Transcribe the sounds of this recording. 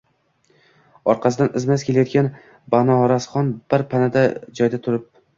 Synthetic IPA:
ɒɾqʰɑsɪd̪anɪzmaskʲʰe̞lajɒt̪kʲan | banɒɾasχɒnb̥ɪɾpʰanad̪ad͡ʒɒjd̪at̪ʰʊɾɪp̚

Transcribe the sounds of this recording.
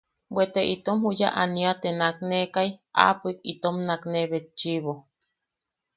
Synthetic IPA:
bwet̪eʔit̪omhuja̰ʔaniat̪enaknekaja̰pikit̪omnakneβet̪̚t͡ʃiβo

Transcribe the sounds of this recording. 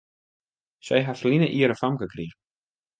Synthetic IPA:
sejɦafliːnaʔiːɾafamkakʰɾiː

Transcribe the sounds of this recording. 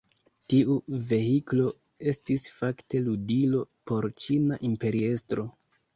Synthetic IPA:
tiuve̞hiklo̞ | e̞stisfakte̞ludilo̞po̞ɾt͡ʃinaʔimpe̞ɾie̞stɾo̞

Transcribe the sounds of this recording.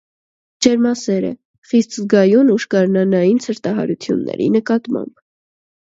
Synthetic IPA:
d͡ʒɛɾmɑsɛɾə̰ | χist̪zɡɑjunuʃkɑɾnɑnɑjinsʰəɾt̪ɑɦɑ̰ɾut͡sʰjṵnːɛ̰ɾḭnəkɑt̪mɑ̰mb

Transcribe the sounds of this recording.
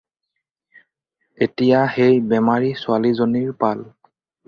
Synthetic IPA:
etijaxejbɛmaɹisʊalizoniɹpal

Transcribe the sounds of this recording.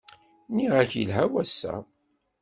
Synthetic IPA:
niʁæçjəlɦæwæsːæ̰

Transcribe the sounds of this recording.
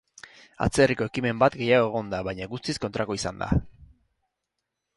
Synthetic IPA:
a̰t͡seriko̞e̞kime̞mbat̪ɡe̞jaɣo̞e̞ɣ̞o̞nd̪aβajɲaɣust̪isko̞nt̪ɾako̞isand̪a̰

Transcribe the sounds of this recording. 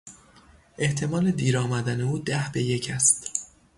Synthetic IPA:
ʔe̞ht̪ʰe̞mɒːle̞d̪iːɾɒːmæd̪æne̞uːd̪æhbe̞je̞cʰæst̪

